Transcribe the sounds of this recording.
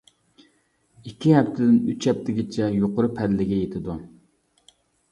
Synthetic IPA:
ikʲːiɦɛpt̪ʰɪd̪ɪnyt͡ʃɛp̚t̪ʰɪɡʲɪt͡ʃʰɛjoqʊɾʊpʰæd̪lɪɡʲɛjet̪ʰɪd̪u

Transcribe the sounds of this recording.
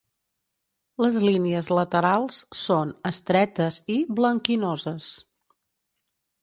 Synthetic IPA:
ləzliniəzlət̪əɾalˠssonəst̪ɾɛt̪əziβləŋkinozəs

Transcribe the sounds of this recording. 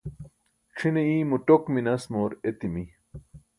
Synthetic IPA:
ʈ͡ʂʰineiːmuʈokminɐsmoɾet̪imi

